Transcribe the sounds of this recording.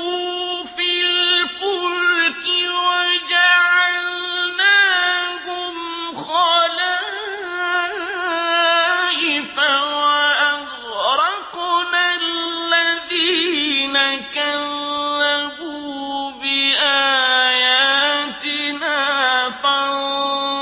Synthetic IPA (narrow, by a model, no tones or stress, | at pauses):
ufilfʊlkɪwad͡ʒaʕalnaːɦʊm | xɑla | aʔɪfawaʔaɣ | ɾɑkunallːaðinakalːabubɪʔajaːt̪ɪnaːfaɾ